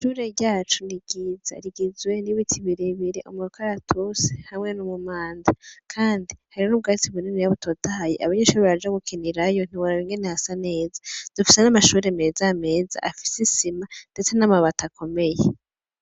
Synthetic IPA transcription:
ʃuːɾe̞ɾɟaːt͡ʃuniɡ̥iza̰ɾiɡizwe̞niwitʰiβiɾeβiɾeʔumuɾukaɾatʰuse̥hamŋe̞numumaːndakʰaːndihaɾinuːβ̚ɡaːt͡siβuninijaβutʰotaajiʔaβaɲeʃuːɾiβaβad͡ʒaɡukiniɾajo̞n̥iwoɾaɾiŋɡe̞nehasane̞ːzḁd̥ufise̞namaʃuːɾe̞me̞ːzame̞ːza̰ʔafi̥sisimand̥e̞t͡se̞namaβatakʰo̞me̞je

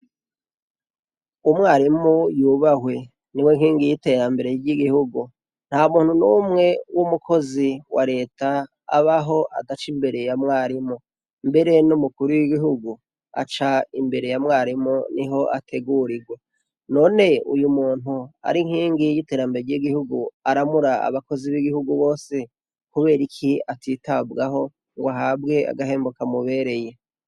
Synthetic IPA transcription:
umŋaːɾimujuβahwe̞ | niweŋhiːŋɡijite̞ɾambe̞ɾe̞jiɟiɡihuɡu | n̥haumuːn̥hunumŋe̞wumukʰo̞ziwaɾe̞ːta̰ː | βaɦo̞ʔa̰dat͡ʃimbe̞ɾe̞jamŋaːɾimu | mbe̞ɾe̞numukuɾujiɡiɦuɡu | a̰t͡ʃaimbe̞ɾe̞jamŋaːɾimoniɦo̞ʔatʰe̞ɡuɾiɡwe | no̞ːne̞ṵjumuːn̥ua̰ɾiŋ̥hiːŋɡijite̞ːɾambeɾejiɡihuɡuaɾamuɾaa̰βako̞ziβiɡihuɡuβo̞ːse | kuβe̞ːɾikʰiatiːtabɡaɦo̞ | ŋɡoaɦabɡe̞a̰ɡaɦe̞ːmbokamuβe̞ɾe̞je̞

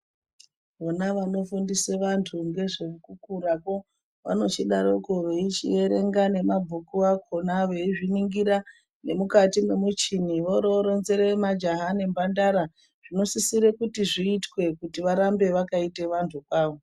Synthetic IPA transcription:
ʋonaʋano̞fundiseʋantʰuŋɡe̞ʐekukuɾako̞ | ʋa̰no̞t͡ʃiɗaɾokoʋe̞it͡ʃḭe̞ɾe̞̰ŋɡane̞mabʱukuakʰonaʋe̞iʐiniŋɡiɾa | ne̞mukatime̞mut͡ʃiniʋo̞ɾoɾo̞nze̞ɾemad͡ʒaɦane̞mbandaɾa | ʐ̥ino̞sisiɾe̞kutiʐiːtwe̞kutiʋaɾambe̞ʋakaiteʋantʰukwaːʋo̞

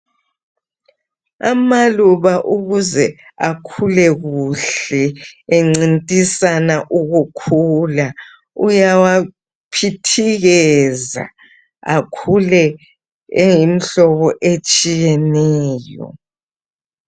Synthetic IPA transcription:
amaluβaʔuɣuzɛ | akʰulɛɣuɬɛeŋ͡ǀintʼisanaʔuɣukʰuːla | ujawa | pʰitʰiɣɛza̰ | akʰulɛ | ejimiɬɔβɔʔet͡ʃʼijɛnɛːjɔ̰

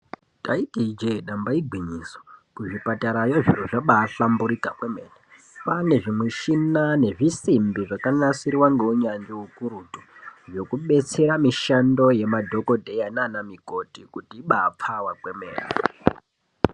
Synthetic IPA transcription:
taikid͡ʒeɗambaiɡʱwiɲisokuʐipataɾajoʐiruʐaɓaːɬambuɾikakwemeːne | pane̞ʐimweʃinane̞ʐisimbiʐakanasirwaŋɡe̞uɲand͡ʒiukuɾutuʐo̞kuɓe̞t͡se̞ɾamiʃando̞je̞madʱo̞ko̞dʱejananamiko̞tikutiːɓaːp͡fawakwemḛːnḛ

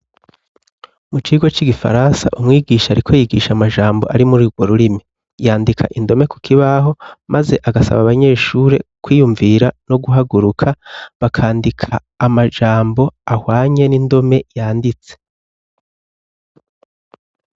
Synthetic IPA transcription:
mut͡ʃiːɡwot͡ʃiɡifa̰ɾansa̰ʔumŋiːɡiːʃaɾikʰo̞jiɡiːʃamaʒaːmbo̞ʔaɾimuɾuɡwo̞ɾuɾimi | jaːndikʰa̰ʔindo̞me̞ku̥kʰiβaɦo̞mʔaze̞ʔaɡasa̰βaβaɲe̞ːʃuːɾe̞̰kwiːjuɱviɾano̞ɡuɦaɡuɾukʰaβakʰaːndikʰaːmaʒaːmbo̞ahwaːɲe̞nindo̞me̞jaːndit͡se

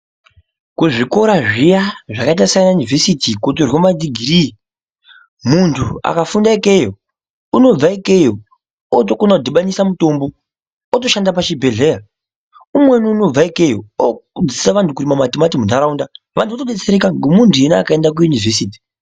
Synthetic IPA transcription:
kuʐiko̞ɾaʐijaʐakait̬asajanajunivʱe̞sitikot̬orwomad͡ziɡʱiɾiː | muntʰua̰kafundaike̞jo | uno̞b͡vaikejo | otokonakudiɓanisamuto̞mbo | ot̬o̞ʃandapaʃibʱe̞ɮe̞ja | umwe̞niuno̞b͡vaikejooud͡zisaʋantʰukuɾimamatimatimundaɾaunda | ʋantʰuʋatoɗet͡seɾekaŋɡemuntʰujeneakaendak̬ujunivesiːti̥

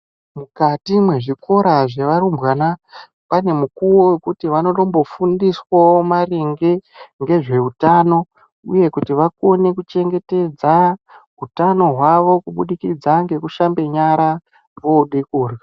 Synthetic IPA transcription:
mukatimwe̞ʐiko̞ɾaʐeʋaɾumbwana | pane̞mukuwowekutiʋano̞ɗo̞mbo̞fundiswaomariŋɡeŋɡe̞ʐe̞ɦutano̞ | ṵje̞kutiʋako̞ne̞kut͡ʃe̞ŋɡe̞te̞d͡zaɦutano̞ɦwaʋo̞kuɓuɗikid͡zaŋɡe̞kuʃambe̞ɲaɾa | ʋo̞ɗikuːrwa

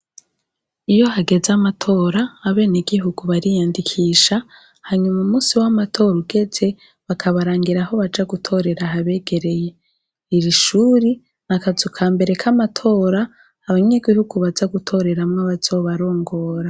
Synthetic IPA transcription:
ijo̞ɦaɡe̞zamatʰo̞ːɾaːβe̞ːneɡiɦuɡuβaɾijaːndikʰiːʃa | haɲumaumuːsiwamatʰo̞ːɾuɡe̞ze̞ | βakʰaβaɾaːŋɡiɾaho̞βad͡ʒaɡutʰo̞ɾe̞ɾaɦaβe̞ːɡe̞ɾe̞je̞ | iɾiʃuːɾi | nakazukʰaːmbe̞ɾe̞kʰamatʰo̞ːɾaː | βaɲeɡihuɡuβazaɡutʰo̞ɾe̞ɾamŋaβazoβaɾo̞ːŋɡo̞ːɾa

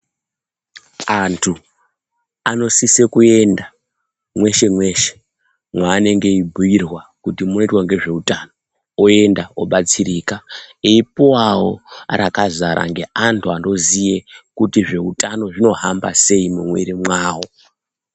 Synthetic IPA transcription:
antʰu | ano̞sisekue̞nda | mwe̞ʃe̞mwe̞ʃe̥ | mwaːne̞ŋɡe̞ibʱuirwakutimuno̞itwaŋɡe̞ʐe̞utano̞ | oe̞ndaoɓat͡sirikaeipuwawo̞̰ɾakazaɾa̰ŋɡe̞ʔantʰuando̞zijekutiʐe̞utʼano̞ʐino̞ɦamba̰se̞imumwḛɾimwaːwo̞

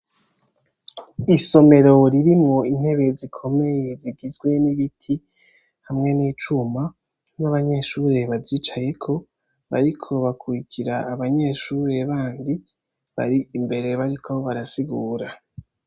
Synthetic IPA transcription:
iso̞me̞ɾo̞ɾiɾimŋoin̥he̞βe̞zikʰo̞me̞je̞ziɡizɡwe̞niβitʰi | hamŋe̞niːt͡ʃuma | naβaɲe̞ːʃuɾe̞βaziːt͡ʃaje̞kʰo̞ | βa̰ɾikʰo̞βakʰuɾikʰiɾaːβaɲe̞ːʃuːɾe̞βaːndi | βa̰ɾiimbe̞ɾe̞βaɾikʰo̞βaɾasiɡuːɾa

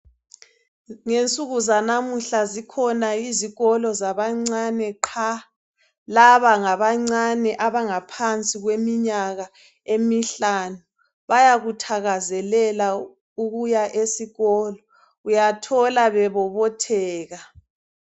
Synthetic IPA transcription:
ŋent͡sʼuɣuzanamuɬazikʰɔnaiziɣɔlɔzaβaŋ͡ǀanɛǃʰa | laβaŋaβaŋ͡ǀanɛʔaβaŋapʰant͡sʼiɣwemiɲaɣa | emiɬaːnu | βajaɣutʰaɣazɛlɛla | uɣujaʔesiɣɔːlɔ | ujatʰɔlaβɛβɔβɔtʰɛːɣa

